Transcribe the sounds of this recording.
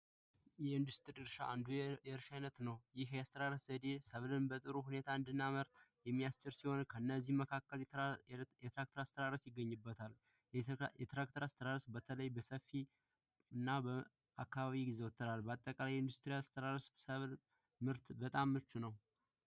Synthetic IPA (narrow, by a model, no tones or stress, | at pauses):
jɛɨnd̪ust̪ɨɾiɾɨʃa̰ʔand̪ujɛɾɨʃajnət̪nəwjɪɦjast̪ʰəɾaɾəszəd̪esəβlɨnbət̪ʼɨɾuhune̞t̪ʰaɨnd̪ɨnːaməɾt̪jɛmːijast͡ʃʼɪɾsiho̞nkʰəɨnːəzːihməkʰakːəl | jɛt̪ʰɾak̚t̪ʰəɾast̪ʰəɾaɾəsjɪɡːəɲːɨbːət̪ʰal | jɛt̪ɾakt̪ʰəɾast̪ʰəɾaɾəsbət̪ʰələjbəsəfːi | ɨnːabə | akːaβaβiɡize̞wɔt̪ʰːəɾalbat̪ʼːəkʼalajɨnd̪ust̪ʼɾiast̪ʰəɾaɾəssəβl | mɨɾt̪bət̪ʼamːɨt͡ʃːunəw